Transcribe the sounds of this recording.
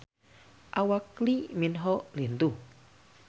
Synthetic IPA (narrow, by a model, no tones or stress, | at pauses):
ʔawakliminɦɔʔlind̪u